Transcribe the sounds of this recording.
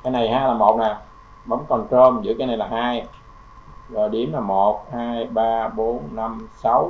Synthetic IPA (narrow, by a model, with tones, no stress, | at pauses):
kaː˨˦jna˨˩jhaː˧jlaː˨˩mo˨˩t̚naː˨˩ | ɓə˨˦wŋ͡mkɔ˨˩ntəː˧mzɨ̰˧˥kaː˨˦jna˨˩jlaː˨˩haː˧j | zɔ˨˩jɗi˨˦əmlaː˨˩mo˨˩t̚haː˧jɓaː˧ɓo˨˦nːa˧msa˨˦w